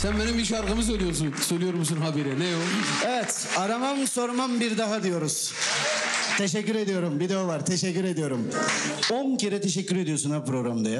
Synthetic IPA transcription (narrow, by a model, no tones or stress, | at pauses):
sænbenimiʃ̬aɾkamɯs̬ølʲijoɾs̬unsølʲijoɾmusunɦabiɾɛnɛjoevɛt̪ | aɾamamso̞ɾmambiɾd̪aɦad̪ijo̞ɾuz̥ | t̪ʰeʃɛcːyɾe̞d̪ijo̞ɾumbid̪eovaɾt̪ʰeʃɛcːyɾe̞d̪ijo̞ɾumoncʰeɾɛt̪ʰeʃɛcːyɾe̞d̪ijo̞sunhapɾo̞ɡɾamd̪aja